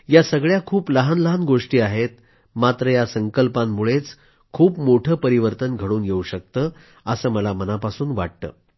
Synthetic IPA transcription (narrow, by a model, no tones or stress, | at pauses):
jasəɡɭjakʰuːpləɦanləɦanɡoʂʈiːaɦet̪ | mat̪ɾəjasəŋkəlpamːuɭet͡s | kʰuːpmoʈʰəːpəɾiʋəɾt̪ənɡʱəɽuːnjeuɕək̚t̪əː | əsəːməlamənapasuːnʋaɽ̚t̪ə̰ː